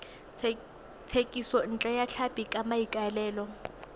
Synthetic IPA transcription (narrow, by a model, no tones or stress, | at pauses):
t͡sʰekʼisɔn̩t͡ɬʼajat͡ɬʰapikʼamaikʼaɛlɛːlɔ